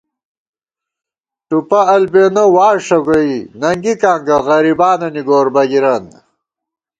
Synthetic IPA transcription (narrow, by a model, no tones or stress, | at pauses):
ʈupɐɐlbeːnowaːʂɐɡoinɐŋɡikaːŋɡɐɣɐɾibaːnɐniɡoːɾbɐɡiɾɐn